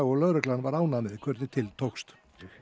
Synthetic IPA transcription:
ɔɣlœɣɾɛklanvaɾaːwnanɪðkʰvœɾt̪nɪt̪ʰɪlt̪ʰowkst̪

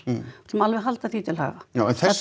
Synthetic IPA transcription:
t̪ʰmalvɛɦalt̪aθit̪ʰɪlha̰ːvajawɛnθɛ

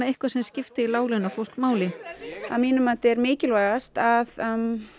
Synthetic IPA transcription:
ehkvḁsɛmscɪft̪ɪilaːwlɪnafowl̥kmaːwlɪa̰ðmiːnʏmant̪ɛɾmɪːcɪlvaːɣast̪að

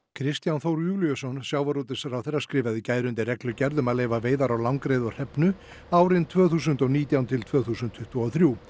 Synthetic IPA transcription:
kʰɾɪst̪janθowɾjuːliʏsɔnsjaːwvaɾut̪ɪ̥saɾawθejɾːaskɾɪːvaðicaːjɾʏnt̪ɪrɛklʏcɛɾðʏmaðleːjvaðveːjðaɾawlawŋkɾejðɔr̥ɛpnʏ | aːwɾɪnt̪ʰvœːθuːsʏnt̪ɔɣniːt̪jawnt̪ʰɪlt̪ʰvœːθuːsʏnt̪ʰʏht̪uawθɾjuː

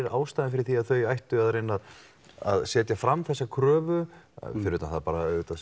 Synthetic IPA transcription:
ɾaːwst̪ajðɪnfɪɾɪɾθiaðθœɥjajht̪ʏaðɾenːað | a̰ðsɛːt̪jafɾamːθɛsːakʰɾœːvʏfɪɾʏʏt̪anθaðapaːɾaœɥʏt̪a

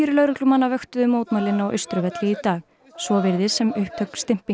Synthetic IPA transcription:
ɾʏlœːɾʏklʏmanːavœxt̪ʏðʏmoːwt̪majlɪnawʔœ̰ɥst̪ɾʏvɛt̪lɪit̪aːɣ | svɔːvɪɾðɪsɛmʏhp̚t̪ʰœɥkst̪ɪm̥pi

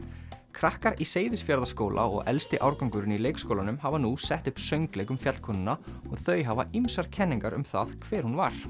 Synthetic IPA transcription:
kʰɾahkaɾiseːjðɪsfjaɾðaskoːwlʔa̰ɔ̰ɣɛlst̪ɪʔawɾkaŋkʏɾʏnileːjkskowlanʏmhavanusɛht̪ʏhpsœɥŋklɛːkʏmfjat̪̚kʰɔnʏnaɔɣθœɥjɦavaimsaɾ̥cʰɛnːiŋkaɾʏ̰mθaðkʰv̥ɛːɾ̥hunvaɾ̥

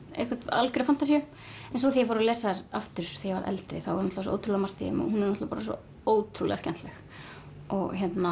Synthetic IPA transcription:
ḛjhkvat̪a̰lkɾʏfant̪asiʏm | ɛns̬ɔθijɛfoɾɔlɛːsaɾaft̪ʏɾ̥θɛjɛva̰ɾʔɛ̰lt̪ɾɪ̰θawvaɾnɔt̪vasɔoːwt̪ɾulamar̥t̪ɪ̰mɔ̰hunɛɾnɔt̪vapaːɾasɔ̰ | oːwt̪ʰɾulɛ̰ɣascɛnt̪lɛx | ɔɣçɛt̪na

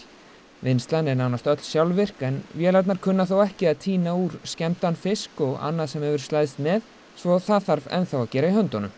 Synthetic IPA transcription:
vɪnst̪lanɛɾnawnast̪œt̪l̥sjawlvɪr̥kɛnvjɛːlat̪naɾ̥kʰʏnːaθawɛhcɪaðt̪ʰiːnauɾ̥scɛmt̪anfɪskɔɣa̰nːaðsɛmhɛvʏɾ̥slaːjðɪst̪mɛð | svɔθaθaɾvɛ̰nθawacɛːɾaihœnt̪ɔnʏm

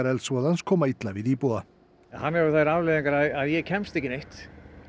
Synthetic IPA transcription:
aɾɛlsvɔːðanskʰɔːmait̪lavɪðiːpua | nhanːɛɾʏθaɾavleːðiŋkaɾaðaðjɛɣcʰɛnst̪ecɪnejht̪

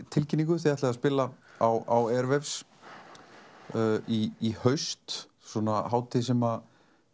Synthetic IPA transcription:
t̪ʰɪlcɪniŋkʏθiaht̪laðaspɪːla | awawɛɾvɛfs | iːhœɥst̪ | sɔnahaːwt̪ʰɪsɛma

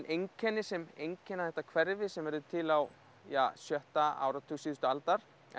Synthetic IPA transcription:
nʔejɲcʰɛnːɪsɛmejɲcʰɛnːaθɛht̪akʰvɛɾvɪsɛmɛɾðʏt̪ʰɪlaw | jaːsjœht̪aa̰ːwɾat̪ʰuːsiːðʏst̪ʏalt̪aɾ̥

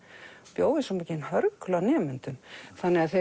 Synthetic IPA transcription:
pjoːwðɪsɔmecːɪnhœɾklawnɛːmʏnt̪ʏmθanːɛɣaðθe

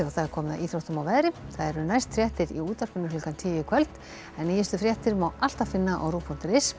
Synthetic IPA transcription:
awθaðɛɾ̥kʰɔːmɪðaʔiːt̪ɾowht̪ʏmawvɛːðɾɪθaðɛɾʏnajst̪fɾjɛht̪ɪɾiuːt̪ar̥pɪnːʏlʏlkant̪ʰɪːjɪkʰvœlt̪ | ɛnːɛjɪst̪ʏfɾjɛht̪ɪɾmawʔal̥t̪aðfɪnːaʔa̰wɾuːpʰɔnt̪ɪɾɪs

